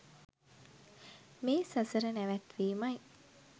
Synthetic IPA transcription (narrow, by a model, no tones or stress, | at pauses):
meːsəsəɾənæʋæt̪ʋiːmaj